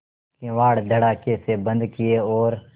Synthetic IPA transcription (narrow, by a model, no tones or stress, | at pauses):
kẽːʋaːɽd̪ʱəɽaːkeːseːbənd̪kɪeːoːɾ